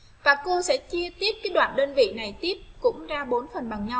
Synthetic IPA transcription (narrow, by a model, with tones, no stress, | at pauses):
vaː˨˩ko˧sɛ̰˧˥t͡ɕi˧ət̪i˦˥əp̚kaː˨˦jɗwa̰ː˧˨nɗəː˧nvḭ˧˨na˨˩jt̪i˦˥əp̚kʊ̰˧˥ŋ͡mzaː˧ɓo˨˦nfə˨˩nɓa˨˩ŋɲa˧w